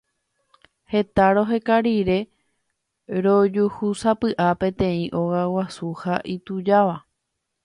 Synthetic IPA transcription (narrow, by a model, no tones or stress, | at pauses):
he̞t̪aɾo̞ɦe̞kaɾiɾe̞ | ɾo̞d͡ʒuhusapɨʔapẽ̞t̪ẽ̞ĩʔo̞ɣawasuhaʔit̪ud͡ʒaʋa